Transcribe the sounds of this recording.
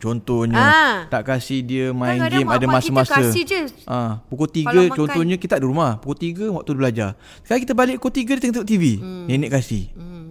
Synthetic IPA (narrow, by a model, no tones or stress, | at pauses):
t͡ʃɔnt̪ɔɲət̪aʔkasihdiəmãjnɡimadamasəmasəʔãpukot̪iɡɡət͡ʃɔnt̪ɔɲəkit̪aʔdiɾumahpukot̪iɡəwak̚t̪udiblad͡ʒa | skalakit̪əbalɪʔkot̪iɡədit̪əŋt̪ut̪ivinenɪʔkasih